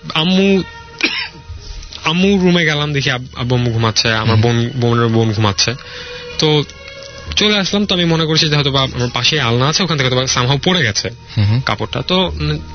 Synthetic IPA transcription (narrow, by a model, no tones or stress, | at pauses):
amːu | amːuɾumeɡɛlamd̪ekʰiaba̰bomːuɡʱumatːt͡ɕʰeamaɾbonbonebonɡʱumatːɕʰet̪o | t͡ɕoleaʃlamt̪oamimonekoɾt͡ɕʰid͡ʑeɦɔjt̪ʰobaa̰maɾpaʃejalnaat͡ɕʰeokʰant̪ʰeket̪ʰobasamɦawpoɽeɡɛt͡ɕʰe | ka̰poʈːa̰t̪o